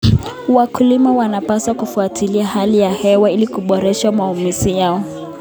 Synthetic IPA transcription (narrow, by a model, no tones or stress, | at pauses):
wakulimawanapaswakufuatʰiliahalijahɛwailikuɓɔɾɛʃamaumisijaɔ